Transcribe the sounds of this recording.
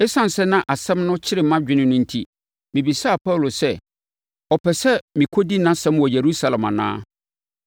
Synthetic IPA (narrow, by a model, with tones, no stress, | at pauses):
ɛ˦sã˦n˨sɛ˦nã˦ʔa˨sɛ̃˦mnʊ̃˦t͡ɕʰɪ˦ɾɪ˨˦mã˦d͡ʑᶣɪ˦nɪ̃˦nʊ̃˦n̩˦tʰi˦ | mɪ̃˨bi˨sa˦˨pʰa˦˨lo˨sɛ˦ | ɔ˨pʰɛ˨sɛ˦mɪ̃˨kʰɔ˦di˦nã˦sɛ̃˦mwɔ˨je˨ɾu˦sa˦lã˨ma̰˨nã̰ː˦